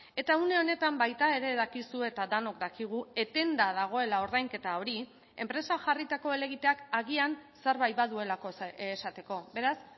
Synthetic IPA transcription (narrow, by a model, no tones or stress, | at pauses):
e̞t̪aune̞o̞ne̞t̪ambajt̪ae̞ɾe̞ðakisue̞t̪ad̪ano̞kd̪akiɣ̞ue̞t̪e̞nd̪aðaɣ̞o̞e̞lao̞ɾðajŋke̞t̪ao̞ɾi | e̞̰mpɾe̞saʝarit̪ako̞ele̞ɣit̪e̞akaɣianseɾβajβaðue̞lakoːsat̪e̞ko̞be̞ɾas